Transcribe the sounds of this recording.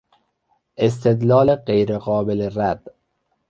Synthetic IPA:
ʔes̬t̪ʰed̪lɒːleɢejɾeɣɒːbeleræd̪̥

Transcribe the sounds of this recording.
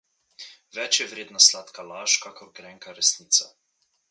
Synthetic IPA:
ʋɛt͡ʃjɛʋɾeːd̪naslaːt̪kalaːʃkakɔɾɡɾɛŋkaɾɛsniːt̪sa

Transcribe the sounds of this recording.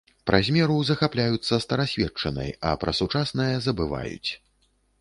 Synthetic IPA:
pɾʔazʲmʲɛɾuzɐxaplʲajut̪sːɐst̪ɐɾasʲvʲɛt͡ʂɐnɐ̰jɐ̰pɾɐsut͡ʂasnɨjɐzɐbɨva̰jṵt͡sʲ

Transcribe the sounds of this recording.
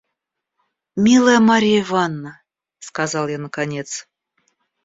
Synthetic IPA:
mʲilˠəjəmɑɾʲijəivɑnːə | skɑzɑlˠjanəkɑnʲet̪t͡s

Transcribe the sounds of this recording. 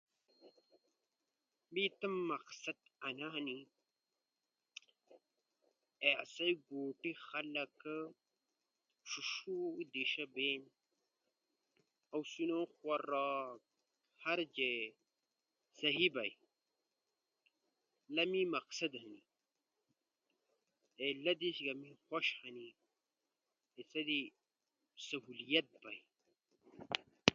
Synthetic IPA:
mit̪ɐmːɐqsɐd̪ɐnaɦɐni | ea̰sɐjɡoːʈixɐlɐk | ɕuʃud̪iʃɐbeːn | ɐwsunoːxwɐɾa | haɾd͡ʒe | sɐɦibaj | lɐmimɐksɐd̪hɐni | elɐd̪isɡɐmixʷoʃhɐni | esɐd̪i | sɐɦulijɐt̪̚baj

